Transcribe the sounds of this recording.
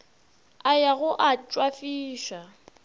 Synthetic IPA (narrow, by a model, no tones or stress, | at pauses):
ajaɣʊʔat͡ʃʼwafiːʃa